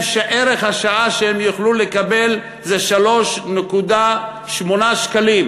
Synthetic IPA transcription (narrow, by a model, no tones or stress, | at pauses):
ʃeʔeʁeχhaʃaaʃehemjuχlulekabel | zeʃalo̞ʃnekud̪a | ʃmo̞naʃkalim